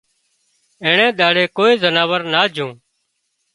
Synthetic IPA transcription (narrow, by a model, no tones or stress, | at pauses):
ẽːɳẽːɗ̪aːɽeːkoːiːzənaːʋəɾnaːd͡ʒʱũː